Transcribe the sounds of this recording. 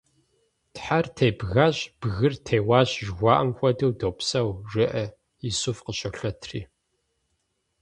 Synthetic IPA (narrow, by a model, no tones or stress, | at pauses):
tħartʰejbɣaːɕb̥ɣɨrtʰeːjwaːɕʒɣʷɑːʔɐmxʷɐdɨwdoːpsɐwʒɪʔɐ | isʊfqəɕɐɬɐtʰrḭː